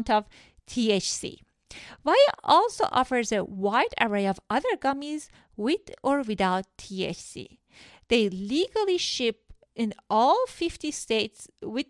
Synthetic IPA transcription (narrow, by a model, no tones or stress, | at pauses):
ntʌv | tʰiet͡ʃsḭ | vajəʔɔlˠso̰ʔɔ̰fə˞zewaɪɾə̰ɹeɪɔvʔʌðə˞ɡʌmiz | wɪðɔɹwɨðaʊtʰːiḛt͡ʃsḭ | ðeɪliɡəlˠiʃɪp̚ | ɪ̃nɔlˠfɪftisteɪtswɪ